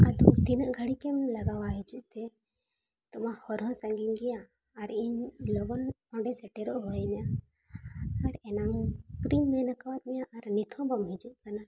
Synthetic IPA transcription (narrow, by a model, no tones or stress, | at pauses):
ad̪ukd̪inəʔɡʱəɽikɛmlaɡawaɦid͡ʒuʔ̚ˀt̪ɛ | t̪ɔmahɔɾɦɔ̃saŋɡiɲɡɛjaː | ɾiɲlɔɡɔn | ɔ̃ɖɛsɛʈɛɾɔʔɦɔjɲa | aɾɛnamkɾimːɛnakawat̪̚mɛjaʔaɾnit̪ʰɔ̃bɔmɦid͡ʒuʔ̚kana